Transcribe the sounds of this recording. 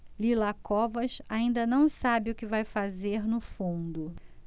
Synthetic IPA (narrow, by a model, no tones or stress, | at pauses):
lilakɔvɐʃaĩnd̪ɐnɐ̃w̃sabɪʊkɪvajfazeɾnʊfũnd̪ʊ